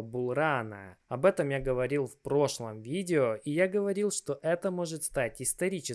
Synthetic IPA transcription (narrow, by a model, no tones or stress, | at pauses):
bʊlˠɾanə̰ɐbɛt̪əmjaɡəvɐɾʲilˠfpɾo̞ʂlˠəmvʲidʲɪoʔijaɡəvɐɾʲilˠʂt̪o̞ʔɛt̪əmo̞ʐɨt̪st̪atʲɪst̪ɐɾʲit͡ɕɪ